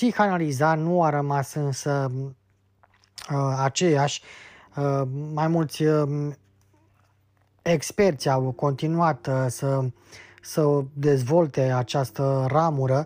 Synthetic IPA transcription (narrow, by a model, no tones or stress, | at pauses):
ixanalizanuaɾəmasɨnsə | əat͡ʃe̞jaʃʲ | əmajmult̪sʲ | ekspe̞rt̪sʲawko̞nt̪inuat̪sə | səd̪e̞zvo̞lt̪e̞at͡ʃast̪əramuɾə